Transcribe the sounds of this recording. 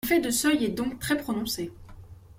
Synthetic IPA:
fɛd̪əsœjɛd̪ɔ̃kt̪χɛpχɔnɔ̃se

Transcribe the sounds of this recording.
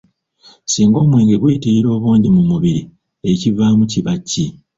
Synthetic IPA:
siːŋɡo̞ːmwe̞ːŋɡeɡwiːtiɾiɾo̞ːβoːɲɟimumuβiɾi | e̞civaːmuciβacːi

